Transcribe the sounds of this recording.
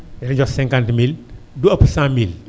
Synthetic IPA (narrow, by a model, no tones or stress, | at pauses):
jɐɾɲd͡ʒɔsɛ̃ŋkantmil | duɐpsãmil